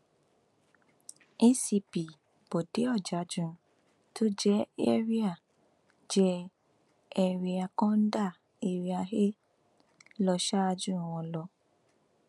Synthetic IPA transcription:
ĩ˦si˧pi˨ | b̥o˨de˨˦ɔ˦˨d͡ʒa˨˦d͡ʒũ˦˨ | to˦d͡ʒɛ˦e˦ɾi˦a˦˨ | d͡ʒɛ˦ | ɛ˧ɾi˧a˧kɔ̃˦n̩˦da˦˨ | e˨ɾi˧a˧ɦe˦ | lɔ˧ʃa˦a˧d͡ʒũ˦˨w̃ɔ̃˧lɔ˧

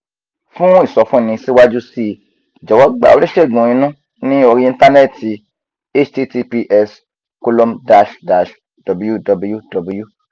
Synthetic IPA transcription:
fũ˦i˦˨sɔ˨fũ˦˨nĩ˧si˦wa˦d͡ʒu˦si˦˨ | d͡ʒɔ˨wɔ˨˦ɡ͡ba̰˨o̰˧ɾi˦ʃe˦˨ɡũ˨ĩ˧˦nũ˦ | nĩ˦o˧ɾĩ˦ĩ˧n˦ta˦nɛ˦˨ti˧ | e˦t͡ʃti˦ti˧pi˧ʔɛ˧s | ko˧lo˦mda˦˧ʃda˨ʃ | dɔ˨bu˦ju˦dɔ˨˧bu˦˧ju˦dɔ˨bu˦ju˦

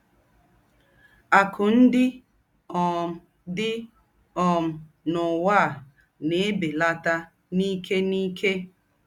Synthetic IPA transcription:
a˨kʰʊ˨n̩˦dɪ˦ | ɔ˨m˨ | dɪ˦ | ɔ˨m̩˨ | nʊ˨wa˦˨ | ne˨e˦be˨la˦ta˦ | ni˦kʰe˦ni˦kʰe˦

